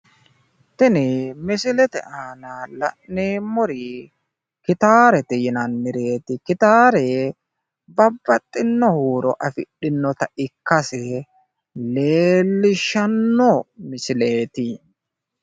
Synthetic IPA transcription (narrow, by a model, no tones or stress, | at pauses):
t̪ɪnɛmɪsɪlɛt̪ɛ̰ʔaːnalɐ̰ʔneːmːɔɾi | kɪt̪aːɾɛt̪ɪjɪnɐnmɪɾe̞ːt̪ɪkɪt̪aːɾe | bɐbːɐt̪ʼːɪnːɔhuːɾɔ̰ʔɐfɪ̰ɗːɪnːɔt̪ɐʔɪkːɐsɛ | leːlːɪʃːɐnːɔmɪsɪleːt̪ɪ